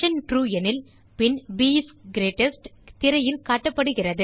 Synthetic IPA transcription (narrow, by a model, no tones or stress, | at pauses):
ɐnʈɾuːjɛnɪl | pɪnbiːsɡɪɾeːʈːɐsʈt̪ɪɾɐjɪlkaːʈːɐpːɐɽɯɣɪrɐðɯ